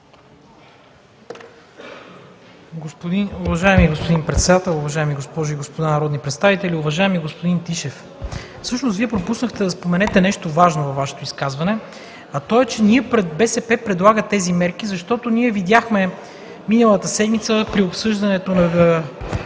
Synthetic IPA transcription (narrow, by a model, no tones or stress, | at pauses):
ɡospod̪inʊvɐʒajɛmiɡospod̪inpɾɛt̪sɛd̪at̪ɛlˠʊvɐʒaɛmiɡospɔʒʊiɡospod̪anɐɾɔd̪nipɾɛt̪st̪avit̪ɛliʊvɐʒaɛmiɡospod̪int̪iʃɛf | fsɤʃnosviɛpɾopusnəxt̪ɛd̪ɐspomɛnɛt̪ɛnɛʃt̪ovaʒnovɐfvaʃɛ̥t̪oiskazvɐnɛ | ɐt̪ɔɛt͡ʃɛniɛpɾɛd̪̚bɛsɛpɛpɾɛd̪lˠaɡət̪ɛzimɛɾkizɐʃt̪ɔt̪oniɛvid̪ʲjaxmɛ | minəlˠɐt̪əsɛd̪mit̪səpɾiopsɤʒd̪ɐnɛt̪onɐ